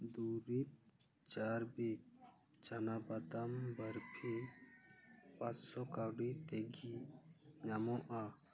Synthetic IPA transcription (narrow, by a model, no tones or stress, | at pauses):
d̪uɾip̚ | t͡ʃaɾbi | t͡ʃanabad̪ambəɾpʰe | pat͡ʃsɔkawɖit̪ɛɡiɲamɔʔa